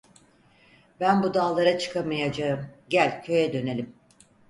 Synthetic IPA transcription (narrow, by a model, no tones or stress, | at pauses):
bænbud̪aːlˠaɾat͡ʃʰɯ̥kʰamajad͡ʒaɯmɟælʲcʰø̞jɛd̪ø̞nelʲim